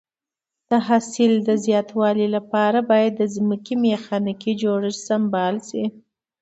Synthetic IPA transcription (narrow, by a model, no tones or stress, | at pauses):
d̪̥əɦasɪld̪əzjɑt̪wɑlilapɑɾabɑjad̪ːəzməkimexɑnɪkid͡ʒoɽəsambɑlsi